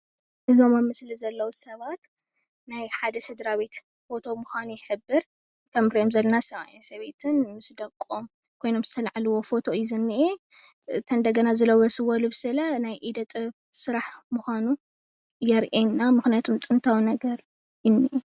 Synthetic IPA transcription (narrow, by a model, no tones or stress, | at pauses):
ʔɨzomɐmɨslizɐlːɐwusɐβat̪ | najħad̪ɐsɨd̪ɾaβet̪ | fo̞t̪ʰo̞muxanujɪħɨbːɨɾ | t̪ʰɐmɾijomzɐlːɐnasɐβa̰jesɐβe̞t̪ʰɨnmɨsd̪ɐkʼːom | kʰo̞jno̞mzɨt̪ʰɐlaʕalɨwo̞fo̞t̪ʰo̞jɪzɨnːiʔe | t̪ʰɐnd̪ɐɡɐnazɨlɐwɐsɨwɐlubɨsɨlɐnajʔid̪ɐt̪ʼɨβ | sɨɾaħmuxanu | jɛɾʔenːamɨxnijat̪ʰomt̪ʼɨnt̪ʰawinɐɡɐɾ | jɪnːiʔe